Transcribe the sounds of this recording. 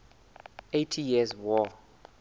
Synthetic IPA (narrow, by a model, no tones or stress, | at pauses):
etʰijizwɔ